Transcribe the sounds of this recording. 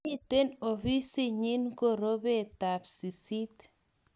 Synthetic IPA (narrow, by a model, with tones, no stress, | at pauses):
i˦te˦no˨fi˦si˦ɲi˦nko˦˨ɾo˦be˦˨ta˨psi˨si˦t̪